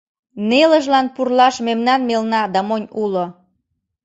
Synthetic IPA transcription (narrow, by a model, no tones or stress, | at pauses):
neləʒlɑnpurlɑʃmemnɑnmelnɑd̪ɑmonʲulo